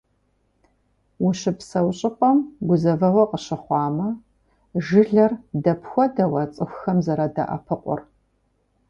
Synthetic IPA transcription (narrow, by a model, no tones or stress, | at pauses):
wʊɕɪpsɐwɕʼɪqʷʼɔmɡʷʊzɐvɐwɐqəɕɪχʷɑːmɐ | ʒɨɮɐrdɐpxʷɔdɐwɐt͡sʼɨxʷxɐmzɐɾɐdɐ̰ʔɐ̰pʰɨqʷʼʊ̰r